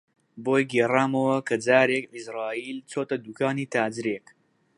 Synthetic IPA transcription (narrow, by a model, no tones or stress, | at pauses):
boːjɡeːraːmɐwɐkʰɐd͡zaːɾekisɾaːiːlt͡soːt̪ɐd̪uːkaːniːt̪aːd͡zɾeːk